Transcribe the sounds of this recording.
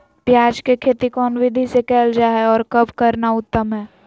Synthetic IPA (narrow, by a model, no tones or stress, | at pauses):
pjaːd͡ʒkekʰeːt̪ikɔːnwɪd̪ʱisekɛːld͡ʒaːɦeɔːɾkɐbkɐɾnaʊt̪ːəmɦɛː